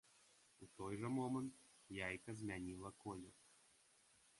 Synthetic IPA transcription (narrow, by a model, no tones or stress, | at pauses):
ut̪ɔjʐɛmɔmənt̪ | jajkɐzmʲanʲilˠɐkɔlʲɔ